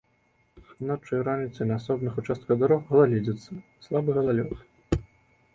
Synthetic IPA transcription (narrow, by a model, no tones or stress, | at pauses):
nat͡ʂːɨjɾanʲit̪sɨnɐːsɔbnɨxut͡ʂast̪kɐd̪uɾɔxɣɐlˠalʲid͡zʲɛt̪sːɐslˠabɨɣɐzalʲɔx